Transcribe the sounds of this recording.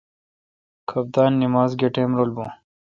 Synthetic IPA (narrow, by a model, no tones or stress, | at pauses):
kʰɐbd̪aːnːimaːzɡeʈeːmɾolbũ